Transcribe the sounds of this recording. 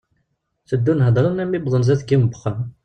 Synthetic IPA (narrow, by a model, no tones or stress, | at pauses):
θəd̪ːunɦəd̪ˤɾˤənæmːibðˤənzæθɡimbəχə